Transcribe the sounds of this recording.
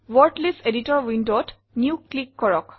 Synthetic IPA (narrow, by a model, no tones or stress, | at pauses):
wɔɹtleseditɔɹwindot | niʊklikːɔɹɔk